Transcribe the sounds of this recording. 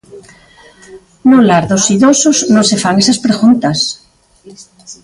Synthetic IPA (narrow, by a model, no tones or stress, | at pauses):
nolaɾðosiðosoznõnsefaŋesaspɾeɣunt̪as